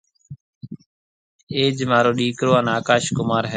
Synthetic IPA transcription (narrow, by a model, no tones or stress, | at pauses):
eːd͡ʒmaːɾoːɗiːkɾoːaːnaːkaːʃkʊmaːɾɦɛ